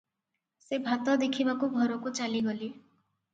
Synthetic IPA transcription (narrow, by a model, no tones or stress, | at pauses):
sebʱat̪ɔd̪ekʰibakuɡʱɔɾɔkut͡ʃaliɡɔli